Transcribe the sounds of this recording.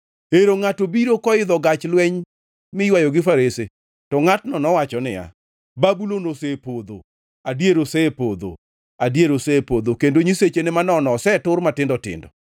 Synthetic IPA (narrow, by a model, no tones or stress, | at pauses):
eɾoŋatobiɾokɔɪd̪ɔɡat͡ʃlwɛɲ | mɪjwajɔɡɪfaɾese | tɔŋatnɔnɔwat͡ʃɔnɪ̰ja̰ | babulonosepod̪o̰ | adjeɾosepod̪o̰ | adjeɾosepod̪okendoɲiset͡ʃenɪmanɔnɔsɛtʊrmatɪndɔtɪ̰ndɔ̰